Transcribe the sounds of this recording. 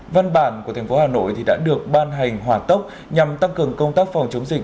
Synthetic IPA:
va˧nɓaː˧˩nku˧˩ət̪ʰɛ˨˩ŋ̟fo˨˦ɦaː˨˩no̰˧˨jt̪ʰi˨˩ɗa̰ː˧˥ɗɨ˨˩ək̚ɓaː˧nɦa˨˩jŋ̟ɦwaː˨˩t̪ə˦˥wk͡p̚ | ɲa˨˩mt̪a˧ŋkɨ˨˩əŋkə˧wŋ͡mt̪aː˦˥k̚fa˨˩wŋ͡mt͡ɕə˨˦wŋ͡mzï˨˩k̚

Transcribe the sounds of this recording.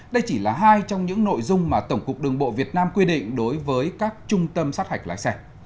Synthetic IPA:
ɗə˧jt͡ɕi˧˩laː˨˩ɦaː˧jt͡ɕɔ˧wŋ͡mɲɨ̰˧˥ŋno̰˧˨jzʊ˧ŋ͡mmaː˨˩t̪ə˧˩wŋ͡mkʊ˨˩k̚ɗɨ˨˩əŋɓo̰˧˨vi˨˩ət̚naː˧mkwi˧ɗḭ̈˧˨ŋ̟ɗo˨˦jvəː˨˦jkaː˦˥k̚t͡ɕʊ˧ŋ͡mt̪ə˧msaː˦˥t̚ha˨˩jk̚la̰ː˧˥jsɛ˧˩

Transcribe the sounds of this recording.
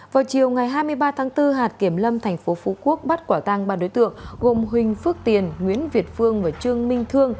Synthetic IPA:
vaː˨˩wt͡ɕi˨˩əwŋa˨˩jɦaː˧jmɨ˧əjɓaː˧t̪ʰaː˨˦ŋt̪ɨ˧ɦaː˨˩t̚ki˧˩əmlə˧mt̪ʰɛ˨˩jŋ̟fo˨˦fu˨˦ku˦˥ək̚ɓa˦˥t̚kwaː˧˩t̪a˧ŋɓaː˨˧˩ɗo˨˦jt̪ɨ̰˧˨əŋɣo˨˩mɦï˨˩ŋ̟fɨ˦˥k̚t̪i˨˩ənŋwi˨˦ənvi˨˩ət̚fɨ˧əŋvaː˨˩t͡ɕɨ˧əŋmï˧ŋ̟t̪ʰɨ˧əŋ

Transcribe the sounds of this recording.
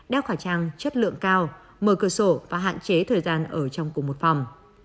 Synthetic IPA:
ɗɛ˧˩wxaː˧˩t͡ɕaː˧ŋt͡ɕə˦˥t̚lɨ̰˧˨əŋkaː˧w | məː˧˩kəː˧˩so˧˩vaː˨˩ɦa̰ː˧˨nt͡ɕe˨˦t̪ʰəː˨˩jzaː˧nʔəː˧˩t͡ɕɔ˧wŋ͡mku˨˩mo˨˩t̚fa˨˩wŋ͡m

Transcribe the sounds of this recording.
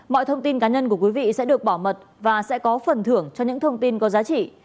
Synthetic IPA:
mɔ̰˧˨jt̪ʰə˧wŋ͡mt̪i˧nkaː˨˦ɲə˧nku˧˩əkwi˨˦vḭ˧˨sɛ̰˧˥ɗɨ˨˩ək̚ɓɔ˧˩mə˨˩t̚ | vaː˨˩sɛ̰˧˥kɔ˨˦fə˨˩nt̪ʰɨ˧˩əŋt͡ɕɔ˧ɲɨ̰˧˥ŋt̪ʰə˧wŋ͡mt̪i˧nkɔ˨˦zaː˨˦t͡ɕḭ˧˨

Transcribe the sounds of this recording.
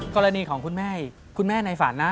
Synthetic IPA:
kɔː˧ɾa˧niː˧kʰɔː˩˦ŋkʰu˧nmɛː˥˩ | kʰu˧nmɛː˥˩na˧jfaː˩˦nːa˦˥

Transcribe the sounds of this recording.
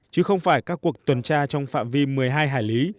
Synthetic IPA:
t͡ɕɨ˨˦xə˧wŋ͡mfaː˧˩jkaː˦˥k̚ːu˨˩ək̚t̪wə˨˩nt͡ɕaː˧t͡ɕɔ˧wŋ͡mfa̰ː˧˨nvi˧mɨ˨˩əjɦaː˧jɦaː˧˩jli˨˦

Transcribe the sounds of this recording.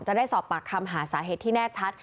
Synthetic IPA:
ŋt͡ɕa˨˩ʔdaː˥˩jsɔː˨˩p̚pːaː˨˩kʰa˧mɦaː˩˦saː˩˦ɦeː˨˩t̪ʰːiː˥˩nɛː˥˩t͡ɕʰa˦˥t̪̚

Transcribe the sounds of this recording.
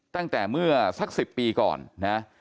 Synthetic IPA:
t̪a˥˩ŋt̪ɛː˨˩mɯ˥˩ɐsa˦˥k̚si˨˩pːiː˧kɔ̰ː˨˩nːa˦˥

